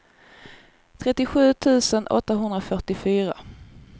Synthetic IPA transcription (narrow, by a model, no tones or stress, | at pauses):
t̪ʰɾɛt̪ːɪɧʉ̟ːt̪ʰʉ̟ːsənʔɔ̰t̪ːaɦɵnd̪ɾafœʈɪfyːɾa